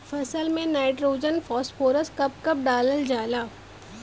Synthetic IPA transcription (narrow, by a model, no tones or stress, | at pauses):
fɐsəlmẽnaːɪʈɾoːd͡ʒənfɔːspoːɾəskɐp̚kɐp̚ɖaːləld͡ʒaːlaː